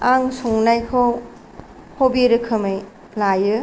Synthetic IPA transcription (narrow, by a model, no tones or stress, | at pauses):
aŋsɔŋnajkʰow | hobiɾɯkʰɯmaj | lajɯ